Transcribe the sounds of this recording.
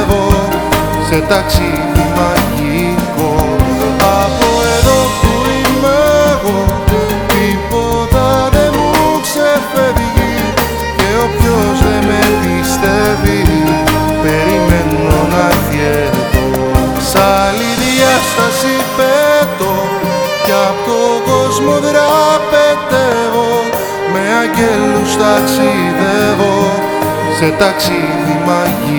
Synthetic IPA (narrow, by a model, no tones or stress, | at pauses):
ðo | set̪ɐksi | umɐʝi | ko | ɐpoeðotuimeɣo | t̪ipot̪ɐðemuksefeðʝi | ceo̞pçozðemepist̪eviu | peɾimeno̞nɐç | e | ɾðo | sɐliðiɐst̪ɐsipet̪o | ceɐpot̪oko̞zmoðɾɐpet̪evo̞ | me̞ɐɲɟelust̪ɐksi | ðevo̞ | set̪ɐksi | ðimɐʝi